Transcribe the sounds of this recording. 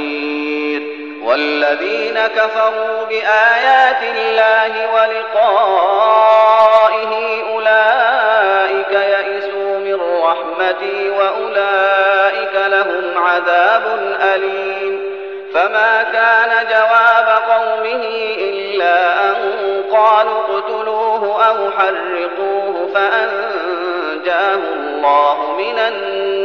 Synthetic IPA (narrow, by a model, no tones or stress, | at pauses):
iɾ | wa̰lːaðiːnakafɑɾuːbɪʔaːjaːt̪ɪlːaːhɪwalɪqɑː | ʔɪɦɪʔʊlaː | ʔɪkajaʔɪsuːmɪrˤːɑħmat̪ɪwaʔʊlaːʔɪkalaɦʊmʕaðaːbʊnʔaliːm | famaːkaːnad͡ʒawaːbaqɑwmɪhɪʔɪlːaːʔanʊqɑːlubʊd̪ʊluːɦʊʔawħɑrˤːɪquːhʊfaʔan | d͡ʒaːhʊ | lˤːɑːhʊmɪnan